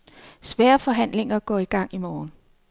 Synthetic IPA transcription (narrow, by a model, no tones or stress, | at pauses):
sʋɛːɐfɒ̽ɦæn̰le̝ŋɐɡ̥ɒ̰̽ːiɡ̥ɑ̈ŋ̰imɒːn